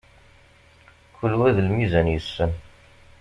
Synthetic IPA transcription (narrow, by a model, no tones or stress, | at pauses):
kəlːwæðəlmizænjəsːən